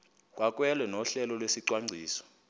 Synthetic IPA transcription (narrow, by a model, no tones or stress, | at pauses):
k̬ʼwak̬ʼwɛlwɛnɔɬɛlɔlwesiǀwaŋ͡ǀʱiːsɔ̥